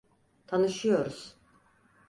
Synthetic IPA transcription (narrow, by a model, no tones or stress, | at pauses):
t̪ʰanɯʃɯjo̞ɾuz̥